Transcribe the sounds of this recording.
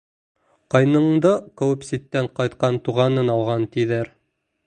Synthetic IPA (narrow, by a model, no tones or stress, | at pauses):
qɑjnɤ̆ɴd̪ɤkɘ̆wɘpsit̪ːæɴqɑjt̪qɑnt̪uʁɑnɤnɑlˠʁɑnt̪iðæɾ